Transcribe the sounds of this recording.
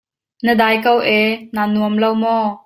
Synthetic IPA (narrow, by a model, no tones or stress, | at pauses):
nəd̪aːjkɐwʔɛnanuəmlɐwmɔ